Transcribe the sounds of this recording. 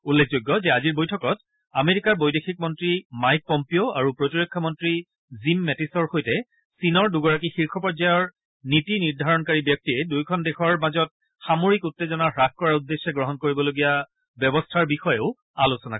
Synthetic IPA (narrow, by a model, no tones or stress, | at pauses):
ulːekʰzojɡːɔzɛaziɹbojtʰɔkɔt | ameɹikaɹbojdexʰik̚mɔntɹimajk̚pɔmpioaɹupɹotiɹɔkʰːɔmɔntɹi | zimːɛtisɔɹxojtɛ | sinɔɹduɡɔɹakixiɹkʰɔpɔɹzajɔɹ | nitiniɹdʱaɹɔnkaɹibjɔk̚tiɛdujkʰɔndexʰɔɹmazɔt̚ | xamoɹikutːezɔnaxɹaxkɔɹaɹudːesɛɡɹɔɦɔnkoɹibɔloɡija | bjɔbɔstʰaɹbixɔjeʊ | alosɔna